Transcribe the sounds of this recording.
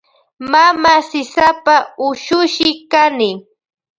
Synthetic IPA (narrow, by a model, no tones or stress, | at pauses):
mamasɪsapaʊʃʊʃɪkanɪ